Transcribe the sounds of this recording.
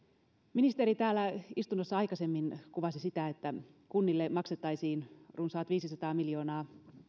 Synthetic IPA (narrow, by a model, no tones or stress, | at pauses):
minist̪eɾit̪æːlːæist̪unːosːɑɑjkɑse̞mːinkuʋɑsisit̪æet̪ːækunːilːemɑkset̪ːɑjsiːnrunsɑːt̪ʋiːsisɑt̪ɑːmiljo̞ːnɑː